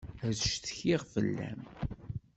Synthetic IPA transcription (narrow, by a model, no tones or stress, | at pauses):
əzʃθçiʁfəlːæ̰m